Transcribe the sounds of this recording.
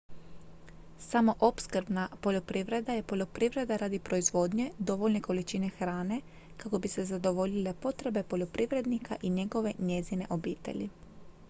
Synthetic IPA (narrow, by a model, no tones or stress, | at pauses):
samo̞ʔopskr̩bnapo̞ʎo̞pɾiʋɾe̞d̪aje̞po̞ʎo̞pɾiʋɾe̞d̪aɾaːd̪ipɾo̞izʋo̞ːd̪ɲe̞d̪o̞ʋoʎne̞ko̞lit͡ʃine̞xɾaːne̞ | kako̞bise̞zad̪o̞ʋo̞ʎile̞po̞t̪ɾe̞be̞po̞ʎo̞pɾiʋɾe̞d̪nikʰaʔiɲe̞ɡo̞ʋe̞ɲezine̞̰ʔo̞biːt̪ḛʎḭ